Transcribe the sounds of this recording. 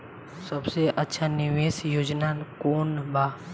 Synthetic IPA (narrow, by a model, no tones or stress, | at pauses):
səbseʔɐtːʃʰanɪʋeːsjoːd͡ʒnakoːnbaː